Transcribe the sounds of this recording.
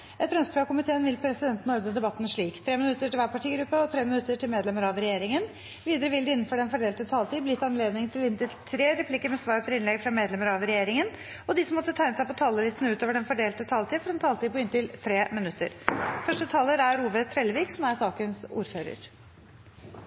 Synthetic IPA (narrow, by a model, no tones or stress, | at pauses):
ʔɛt̪̚ɾœnspʰɾɑkʊmɪt̪ʰeːənʋɪlpʰɾɛsɪd̪ɛnt̪ənɔɾd̪əd̪ɛbɑt̪ːn̩ʂɭiːkt̪ʰɾeːmɪnʉt̪ːəʈɪlʋæːpɑʈʰiːɡɾʉpːəɔt̪ʰɾeːmɪnʉt̪ːəʈʰɪlmeːd̪lɛməɾɑʋɾɛjeːɾɪŋən | ʋiːd̪əɾəʋɪld̪ɪɪnːnfɔɖɛnfɔɖeːlt̪ət̪ʰɑːlt̪iːblɪɪt̪ːɑnleːd̪nɪŋt̪ʰɪlɪnt̪ɪlt̪ʰɾeːɾɛpʰlikːəɾmɛsʋɑːɾət̪ʰɪɾɪnlɛɡfɾɑmeːd̪lɛməɾɑʋɾɛjeːɾɪŋən | ɔd̪ɪsɔmɔt̪ːət̪ʰæɪnəsæɪpɔt̪ʰɑːləliːst̪ənʉːt̪oːʋəɖɛnfɔɖeːlt̪ət̪ʰɑːlt̪iːfɔɾɛnt̪ʰɑːlt̪iːpʰɔɪnt̪ɪlt̪ʰɾeːmɪnʉt̪ːə̰ɾfœʂʈət̪ʰɑːləɾæɾuːbət̪ʰːɾɛlːəʋiːksɔmæɾsɑːkənsṵːɾføːɾə̰ɾ